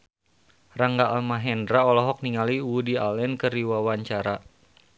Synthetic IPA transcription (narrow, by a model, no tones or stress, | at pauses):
raŋɡaːlmaɦɛndɾaɔlɔɦɔk̚niŋaliwudialɛnkəɾiwawaɲt͡ʃaɾa